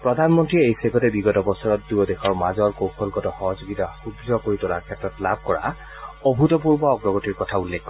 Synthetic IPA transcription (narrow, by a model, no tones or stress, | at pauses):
pɹɔd̪ʱanmɔntɹiejseɡɔtɛbiɡɔtɔbɔsɔɹɔt̚dujɔdexʰɔɹmazɔɹkowkʰɔlɡɔtɔxɔɦɔzoɡid̪ʱaxubzɔkoɹitɔla̰ɹkʰɛtɹɔtlab̚ʱkɔɹa̰ | ɔbʱutɔp̬uɹbɔːɡɹɔɡɔtiɹkɔtʰaulːekkːɔɹɛ